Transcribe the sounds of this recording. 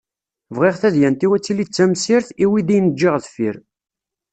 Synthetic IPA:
vʁiʁθæðjænt̪iwæt͡sːilit͡sːæmsiɾθiwid̪ijnəd͡ʒːiʁðfiɾ

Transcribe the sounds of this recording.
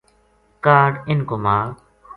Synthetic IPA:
kaːɖɪnkoːmãː

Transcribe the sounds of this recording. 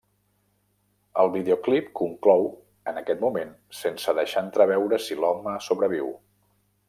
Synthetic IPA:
əlˠβiðeoklipkuŋklɔw | ənəkɛt̪mumen | sensəðəʃant̪ɾəβ̞ɛwɾəsilɔɡ̚məsoβɾəβiw

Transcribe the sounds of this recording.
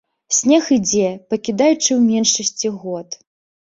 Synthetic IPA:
sʲnʲɛxɨd͡zʲɛpɐkʲid̪ajut͡ʂɨwmʲɛnʂɐsʲt͡sʲiɣɔt̪

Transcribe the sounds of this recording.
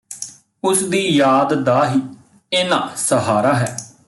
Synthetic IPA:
ʊsd̪iːjaːd̪d̪aːɦiː | eːnã̰ːsəɦaːɾaːɦɛː

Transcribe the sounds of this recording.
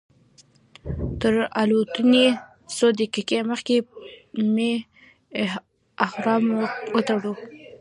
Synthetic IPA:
t̪əɾalot̪əne | sod̪əkikeməxkeme | axɾɑmwət̪aɽu

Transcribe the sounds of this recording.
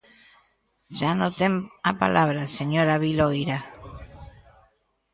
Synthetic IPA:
ʒanot̪emapa̰lʔaβɾaseɲoɾaβilojɾa

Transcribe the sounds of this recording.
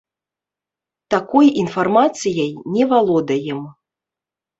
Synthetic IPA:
t̪akɔjinfarmat̪sɨjɐjnʲɛvalˠɔd̪ɐjɛm

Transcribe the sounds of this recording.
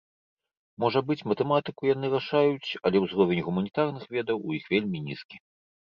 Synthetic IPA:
mɔʐɐbɨt͡sʲmɐt̪ɛmat̪ɨkujan̪ɨɾaʂajut͡sʲɐlʲɛwzɾɔvʲenʲɣumɐnʲit̪arnɨxvʲɛd̪ɐwujixvʲelʲmʲinʲiskʲi

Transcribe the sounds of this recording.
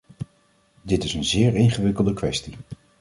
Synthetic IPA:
dɪtɪsənzɪːɹɪŋχəʋɪkəlˠdəkʋɛsti

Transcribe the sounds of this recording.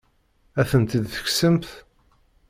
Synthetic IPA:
æθənt̪id̪θə̥ksəmθ

